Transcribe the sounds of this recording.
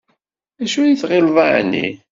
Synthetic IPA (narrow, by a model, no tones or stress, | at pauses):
æʃujiθʁɪlvaʕ̰nːḭ